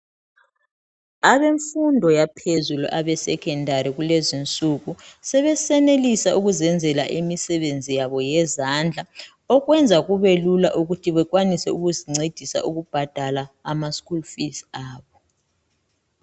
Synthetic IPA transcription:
aβeɱfundʱɔjapʰezulṵʔaβɛsɛkʰɛndʱaɾiɣulezint͡sʼuɣusɛβɛsɛnelisaʔuɣuzɛnd͡zʱɛlaʔimisɛβend͡zʱijaβɔjɛzand͡ɮʱa | ɔɣwɛnd͡zʱaɣuβelulaʔuɣutʰiβɛkwanisɛuɣuziŋ͡ǀed̥ʱisa̰ʔuɣub̥ʱad̥ʱalaːmaskulfisaːβɔ

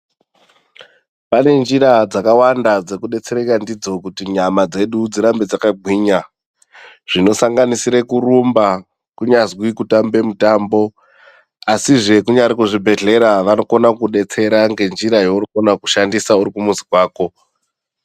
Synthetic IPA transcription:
pane̞nd͡ʒiɾad͡zakawandad͡ze̞kuɗe̞t͡se̞ɾekandid͡zo̞kutiɲamad͡ze̞ɗud͡ziɾambed͡zakaɡʱwiːɲa | ʐ̥ino̞saŋɡanisiɾe̞kuɾumba | kuɲazwikutambe̞mutambo̞ | asiʐe̞kuɲaɾikuʐibʱe̞ɮe̞ɾaʋano̞ko̞nakuɗe̞t͡se̞ɾaŋɡe̞nd͡ʒiɾajounokonaku̥ʃandisauɾikumuzikwaːko̞

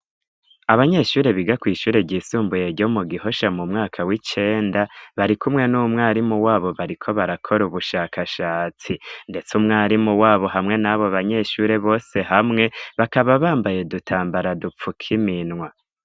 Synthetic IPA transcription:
aβaɲe̞ʃuːɾe̞βiɡakwiːʃuːɾe̞bɟiːsuːmbuje̞ɾɟo̞muɡiho̞ʃamumŋaːkʰawit͡ʃe̞ːndaβaɾikumŋe̞numŋaːɾimuwaːβo̞βaɾikʰo̞βaɾakʰo̞ɾuβuʃaːkʰaʃaːt͡sinde̞t͡sumŋaːɾimuwaːβo̞ɦamŋe̞naβo̞aβaɲe̞ʃuɾe̞βo̞ːse̞hamŋe̞βakaβaβaːmbaje̞dutʰaːmbaɾadup͡fukʰiminŋwa

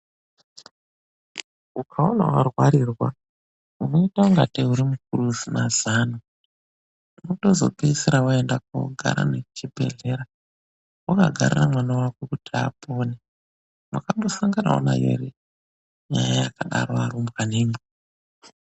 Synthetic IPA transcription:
ukʰaona̰warwaɾirwa | uno̞itauŋɡatiuɾimuk̚uruzinazaːno | mutozo̞̰piisiɾawaendak̚ṵɡʱa̰ɾa̰net͡ʃibʱe̞̰ɮe̞ɾa | ukaɡʱa̰riramwanawakwekutʰia̰pʰo̞ːne | mwakambo̞saŋɡana̰o̰na̰jḛri | ɲajajakaɗaɾoaɾumbɣaneːmo

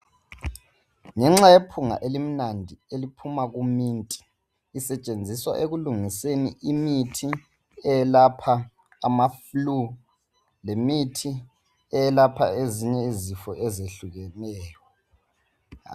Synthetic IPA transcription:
ŋɛŋ͡ǁajepʰuŋa̰ʔelim̩nandʱielipʰumaɣumiːntʼi̥ː | sɛt͡ʃʼend͡zʱiswa̰ʔeɣuluŋisenḭʔimitʰi | ɛjɛlapʰaː | maflu | lemitʰi | ɛjɛlapʰa̰eziɲɛizifɔʔezeɬuɣɛnɛːjɔ

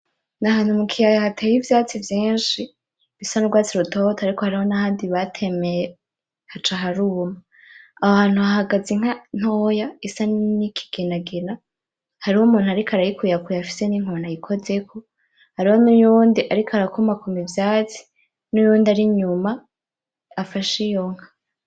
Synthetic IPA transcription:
naɦaːnhumukʰijajahatʰejivjaːt͡sivjiːnʃi | βisanuɡwaːt͡siɾutʰotʰaɾikohaɾiho̞nahaːndiβatʰe̞me̞je | hat͡ʃaɦaɾuma | ahaːn̥huahaɡazeŋ̥an̥hojaisanikʰi̥ɡ̥enaɡena | haɾiwumuːnuaɾikʰaɾajikujakujafi̥se̞niŋ̥onajikʰo̞ze̞kʰo | haɾihonujuːndiʔaɾikʰaɾakomakomivjaːt͡si̥ | nujuːndiaɾiɲumaː | faʃijoŋ̥ha

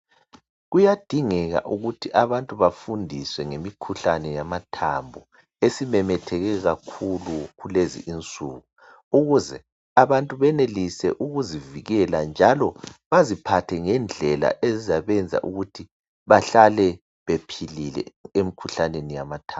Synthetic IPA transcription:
ɣujad̥ʱiŋɛɣa̰ʔuɣutʰiʔaβantʼuβafundʱiswɛŋemikʰuɬanɛjamatʰambʱu | esimɛmɛtʰɛɣɛɣakʰuluɣulezḭʔint͡sʼuːɣu | uɣuzɛ | aβantʼuβɛnelisɛʔuɣuziviɣɛland͡ʒʱalɔβazipʰatʰɛŋɛnd͡ɮʱɛla̰ʔezizaβɛnd͡zʱa̰ʔuɣutʰi | βaɬalɛ | βepʰililɛ̰emikʰuɬanenijamatʰa

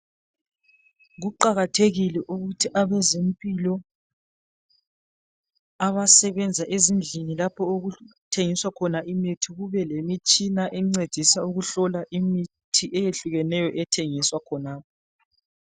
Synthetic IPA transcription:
ɣuǃaɣatʰeɣilɛʔuɣutʰiʔaβɛzempʼilɔ | aβasɛβɛnd͡zʱaʔezind͡ɮʱinilapʰɔoɣutʰeŋiswakʰɔnaʔimitʰiɣuβɛlemit͡ʃʼinaʔɛŋ͡ǀed̥ʱisauɣuɬɔlaʔimi | tʰiʔɛjeɬuɣɛnɛjɔʔɛtʰeŋiswakʰɔnaːp̚ʰɔ

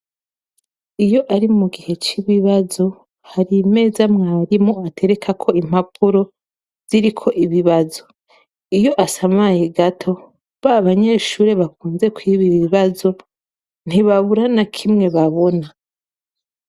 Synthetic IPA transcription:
ijo̞ʔaɾimuɡihe̞t͡ʃiβiβazo̞ | haɾime̞ːzamŋaːɾimoatʰe̞ɾe̞kʰakʰo̞im̥apʰuɾo̞ | z̥iɾikʰo̞ʔiβiβazo̞ | ijo̞ʔasamajeɡatʰo̞ | βaβaɲe̞ʃuːɾe̞βakuːnze̞kwiβiβiβazo̞ | n̥iβaβuɾanakʰimŋe̞βaβo̞na

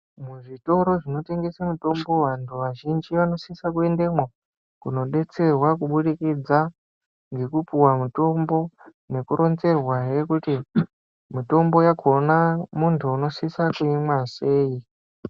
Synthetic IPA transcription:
muʐito̞ɾo̞ʐino̞te̞ŋɡe̞samuto̞mbo̞ʋantʰuʋaʒind͡ʒiʋano̞sisakue̞nde̞mwa | kuno̞ɗe̞t͡se̞rwakuɓuɗikid͡za | ŋɡe̞kupuwamuto̞mbo̞ | ne̞kuɾo̞nze̞rwaje̞kuti | mito̞mbo̞jakʰonamuntʰuːno̞sisakuimwase̞ːi

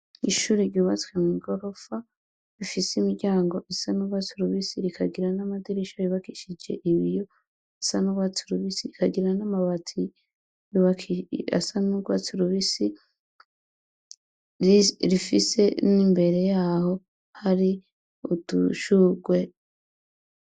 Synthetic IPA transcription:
iʃuːɾiɾɟuːβat͡swemŋiɡo̞ɾo̞fa | ɾifisimiɡɟaːŋɡo̞ʔisanuɡwat͡siɾuβisiɾikʰaɡiɾanamadiɾiʃajiβakiʃid͡ʒe̞̰ʔiβijo | asanuɡwat͡siɾuβisiɾikaɡiɾanamaβatʰi | juβakia̰sanuɡwat͡siɾuβisi | ɾifise̞nimbe̞ɾe̞jaːho̞ | haɾi | ud̥ṵʃuɡwe̞

